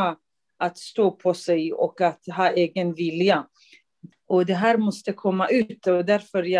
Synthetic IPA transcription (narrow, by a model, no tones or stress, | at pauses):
a | ʔat̪st̪oːpʰɔsɛjɔ̰kat̪ɦɑːʔeːɡənvɪlja | ʔɔd̪ɛɦæːɾmɔst̪əkʰɔmːaʔʉ̟ːt̪ɔd̪æɾfœɾja